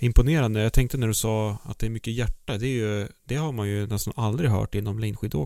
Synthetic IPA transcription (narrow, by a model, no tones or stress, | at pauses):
ɪmpʊneːɾand̪əjaɡt̪ʰɛŋk̚t̪ənæɖɵsɑːat̪̚d̪ɛæɾmʏkːəjæʈːad̪ɛːɾjɵd̪̥ɛhaɾmanjɵnɛst̪a̰nʔald̪ɾɪɦœ̰ːʈɪnːɔmlɛnɧid̪o̰ːɡ